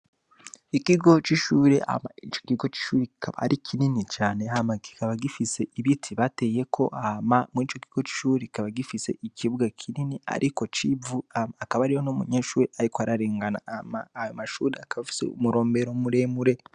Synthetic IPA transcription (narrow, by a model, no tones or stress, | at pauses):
ikiɡo̞t͡ʃiʃuːɾea̰mait͡ʃokiɡo̞t͡ʃi̥ʃuːɾekikʰaβa̰a̰ɾikʰininit͡ʃaːne̞ɦamaki̥kaβaɡifise̞iβitʰiβate̞je̞kʰo̞ʔahamamuiːt͡ʃokiɡ̥o̞t͡ʃi̥ʃuːɾeki̥kaβaɡifise̞̰ʔikiβuɡakʰininia̰ɾʔiko̞t͡ʃivuakaβaɾiho̞nomuɲeːʃuːɾiaɾikoaɾaɾeːŋɡana̰maːjomaʃuːɾeakaβafi̥sḛṵmuɾo̞ːmbe̞ɾomuɾe̞muɾe̞